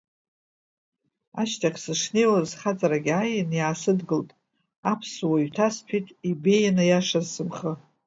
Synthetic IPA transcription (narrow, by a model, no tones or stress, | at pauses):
aʃtʰakʲʰsɨʂnejwazχat͡sʼaɾaɡʲajɪnjaːsɨdɡɨltʼ | apʰswaɥtʰaspʰitʼibe̞janɨjaʂazsɨmχə